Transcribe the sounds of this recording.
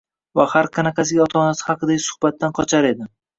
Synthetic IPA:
vahaɾqʰɑnaqʰɑs̬ɪɡʲaɒt̪ʰɒːnasɪ̥hɑqɨd̪aɡʲɪsʊ̥hbat̪ʰːanqʰɒt͡ʃʰaɾe̞d̪ɪ

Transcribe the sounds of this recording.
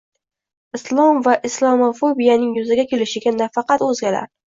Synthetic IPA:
ɪslˠɒmvaʔɪslˠɒmofobijanɪŋjʊzɪɡʲakʲʰe̞lɪʃɪɡʲanafɑqɑt̪ɵzɡʲala̰ɾ

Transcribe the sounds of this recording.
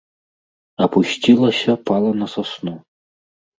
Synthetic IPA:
ɐpusʲt͡sʲilˠɐsʲɐpalˠɐnɐsasnu

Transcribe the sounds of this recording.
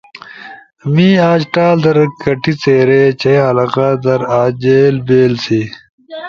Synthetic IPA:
miːaːd͡ʑʈaːld̪ɐɾkɐʈit͡seːɾeːt͡ɕɐiɦɐlɐqad̪ɐɾaːd͡ʑeːlbeːlsi

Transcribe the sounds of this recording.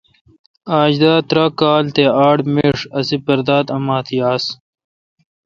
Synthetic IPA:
aːd͡ʑd̪aːt̪ɾɐkaːlt̪eaːɖmeːʂɐsipɐɾd̪aːd̪ɐmaːt̪ʰijaːs

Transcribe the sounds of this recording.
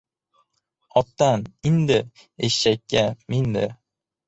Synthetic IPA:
ɒt̪ːanind̪ɪ | eɕːækʲːæmind̪ɪ̰

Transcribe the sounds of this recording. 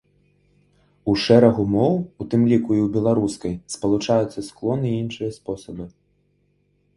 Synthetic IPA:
uʂɛɾɐɣumɔwut̪ɨmlʲikuiwbʲɛlˠaɾuskɐjspɐlˠut͡ʂajut̪sːɐsklˠɔnɨiinʂɨjɐspɔsɐbɨ

